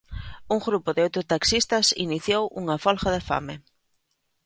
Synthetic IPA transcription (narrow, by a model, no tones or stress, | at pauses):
uŋɡɾupoðɪowt̪ɾʊt̪aksist̪ɐsḭniθjowuŋafɔlxaðɪfa̰me